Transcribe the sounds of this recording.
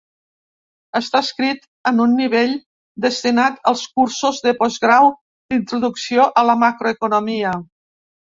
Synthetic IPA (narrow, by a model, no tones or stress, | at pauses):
əst̪askɾit̪ | ənunːiβ̞eʎ | d̪əst̪inat̪əlˠskuɾsuzðəpɔzɣɾaw | d̪int̪ɾuðuksioʔələmakɾoəkunumiə